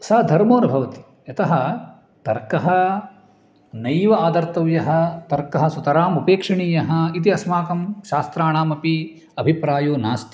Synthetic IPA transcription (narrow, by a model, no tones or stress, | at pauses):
sɐd̪ʱɐɾmoːnɐbʱɐʋɐt̪i̥ | ɐt̪ɐɦɐ | t̪ɐɾkɐɦɐ | nɐjʋɐaːd̪ɐɾt̪ɐʋjɐɦɐt̪ɐɾkɐɦɐ̆sut̪ɐɾaːmupeːkʂɐɳiːjɐɦɐ̆it̪̬iɐsmaːkɐmʃaːst̪ɾaːɳaːmɐpi | ɐbʱipɾaːjoːnaːst̪